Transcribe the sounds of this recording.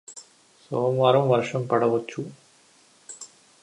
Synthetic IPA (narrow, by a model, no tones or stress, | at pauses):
soːmʋaːɾɐmʋɐɾʂɐmpɐɽɐʋɐt͡ʃːu